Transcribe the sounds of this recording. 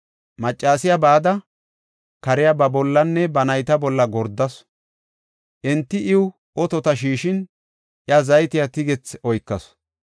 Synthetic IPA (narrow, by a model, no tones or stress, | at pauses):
mɐt͡ʃʼːaːsɪjabaːd̪ɐ | kɐɾɪjabɐbɔlːɐnːɛbɐnɐjt̪ɐbɔlːɐɡɔɾd̪ːɐs | ʔɛnt̪ːɪʔɪwʊ | ʔɔt̪ɔt̪ɐʃ̬iːʃɪn | ʔɪɐzɐjt̪ɪjɐt̪ɪɡɛt͡sɔjkːɐs